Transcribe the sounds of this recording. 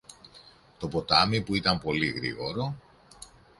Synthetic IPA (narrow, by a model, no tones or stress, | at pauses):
t̪o̞po̞t̪ɐmipuit̪ɐmpo̞lḭɣɾḭɣo̞ɾo̞